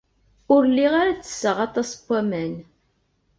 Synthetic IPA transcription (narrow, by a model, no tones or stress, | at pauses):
ʊɾlːiʁaɾat͡sːə̥sːəʁɑt̪ˤɑspʷːæmæn